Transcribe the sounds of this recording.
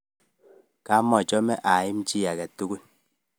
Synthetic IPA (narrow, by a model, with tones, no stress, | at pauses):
ka˨˦mːɔ˦˨t͡ʃɔ˦mɛ˦ʔa˨ji˦m̩˦t͡ʃi˦ja˨kɛ˨tu˦ɡu˦n